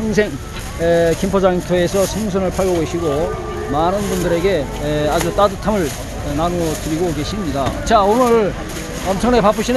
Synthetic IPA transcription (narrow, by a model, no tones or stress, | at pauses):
ŋs̬ʰe̞ŋ | ekimpʰod͡ʑaiŋtʰoesʰʌsʰʌŋs̬ʰʌnɯɭpʰaɭɡoɡoɕʰiɡo | manɯnbundɯɾe̞ɡe̞ | ad͡ʑut͈adɯtʰamɯɭ | nanuʌtɯɾiɡoke̞ɕʰimɲidat͡ɕaonɯɭ | ʌmt͡ɕʰʌŋnepap͈ʰɯɕʰin